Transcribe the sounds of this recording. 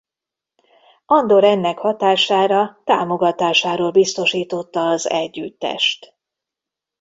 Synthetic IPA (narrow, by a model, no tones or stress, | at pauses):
ɒnd̪o̞ɾɛnːɛkhɒt̪aːʃaːɾɒt̪aːmo̞ɡɒt̪aːʃaːɾoːlbist̪o̞ʃiːt̪o̞t̪ːɒːzɛɟːyt̪ːɛ̰ʃt̪